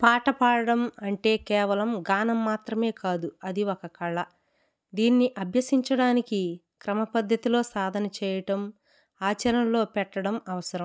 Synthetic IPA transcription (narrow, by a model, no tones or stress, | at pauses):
paːʈɐpaːɽɐɽɐmɐɳʈe̞ːkɛːʋɐlɐmɡaːnɐmːaːt̪ɾɐme̞ːkaːd̪uɐd̪iokɐkɐɭːɐ | d̪iːnːiʔɐbʱjɐsiɲt͡ʃɐɽaːniki | kɾɐmɐpɐd̪ʱjɐt̪ilo̞ːsaːd̪ʱɐnɐt͡ʃɛːjɐʈɐm | aːt͡ʃɐɾɐnɐlo̞ːpɛʈːɐɽɐmɐʋɐsɐɾɐm